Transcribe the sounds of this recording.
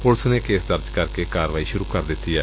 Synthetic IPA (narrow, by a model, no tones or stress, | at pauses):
pʊlsneːkeːsd̪əɾd͡ʒkəɾkeːkaːɾʋaːiːʃʊɾuːkəɾd̪ɪt̪ːiːɛː